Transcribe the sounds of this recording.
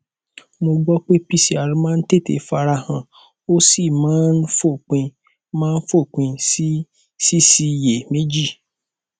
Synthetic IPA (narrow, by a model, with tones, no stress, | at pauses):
mo˧ɡ͡bɔ˦k͡pe˦pi˦si˨a˨ɾĩ˧˦mãː˦˧n̩˦te˦˨tḛ˨˦fa˧ɾa˧hã˨ | o˦si˦˨mãː˨˦n̩˦fo˦˨k͡pĩ˧ | mãː˦n̩˦fo˦˨k͡pĩ˧si˦ | si˦si˧˨je˨me˦d͡ʒi˦˨